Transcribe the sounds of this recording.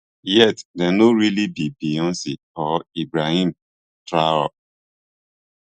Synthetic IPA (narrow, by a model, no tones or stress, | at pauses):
jɛtdɛnoɹilibibiɔ̃nsi | ɔibɾahĩm | tɾaɔ